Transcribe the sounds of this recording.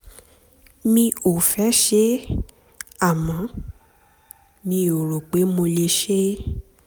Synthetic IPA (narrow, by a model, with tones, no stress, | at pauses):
mĩ˧o˨fɛ˨˦ʃe˦ | a˦˨mã˨˦ | nĩ˧o˨ɾo˨k͡pe˨˦mo˧le˧ʃe˦